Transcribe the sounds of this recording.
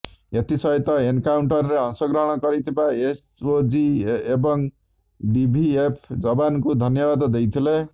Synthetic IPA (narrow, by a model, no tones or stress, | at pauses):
et̪isʌjt̪ʌenkawɳʈʌrːeʌnsʌɡɾʌɦɽ̃ʌkʌɾit̪ʰebaes | od͡ziebʌŋ | ɖibʱiepʰd͡zʌbankud̪ʱʌnjʌbad̪d̪ejt̪ʰile